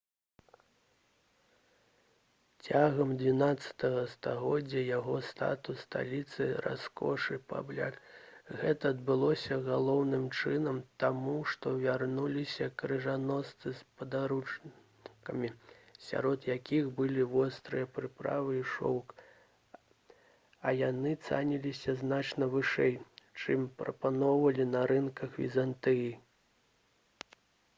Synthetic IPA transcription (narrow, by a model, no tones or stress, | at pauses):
t͡sʲaɣɐmd̪ʲvʲinat̪sːɐ̥t̪ɐɣɐst̪aɣɔd͡zʲːɐjaɣɔst̪a̰t̪ust̪a̰lʲit̪sɨrʔa̰skɔ̰ʂɨpa̰blʲa̰kɣɛt̪ɐːd̪̚bɨlˠɔsʲɐɣalˠɔwnɨmt͡ʂɨnɐmt̪amuʂt̪ɔvʲarnulʲisʲɐkɾɨʐanɔst̪sɨspɐd̪aɾut͡ʂ | kɐmʲisʲa̰ɾɔd̪jakʲixbɨlʲivɔst̪ɾɨjɐpɾɨpɾa̰vɨiʂɔ̰wk | ɐjanɨt̪sa̰nʲilʲisʲɐznat͡ʂnɐvɨʂɛjt͡ʂɨmpɾɐ̰panɔwvɐlʲinɐɾɨnkɐxvʲḭzant̪ɛji